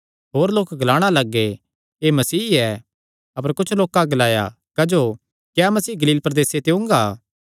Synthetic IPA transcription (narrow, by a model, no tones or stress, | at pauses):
ɦoːɾloːkɡɐlaːɽ̃alɐɡːe | emɐsiːɛ | ɐpəɾkʊt͡ʃʰloːkaɡɐlaːja̰ | kɐd͡ʒoː | kjaːmɐsiːɡɐliːlpɾɐd̪eːset̪eʊ̃ŋɡaː